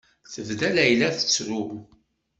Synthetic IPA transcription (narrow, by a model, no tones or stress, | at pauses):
θəvd̪ælæjlæθə̥t͡sːɾʊ